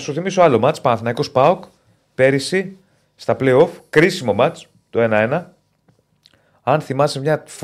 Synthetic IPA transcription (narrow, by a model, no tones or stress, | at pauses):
suθimisoɐlo̞mɐt͡spɐnɐθinɐiko̞spɐok | pe̞ɾisi | st̪ɐplejo̞fkɾisimo̞mɐt͡s | t̪o̞e̞nɐe̞nɐ | ɐnθimɐsimɲɐf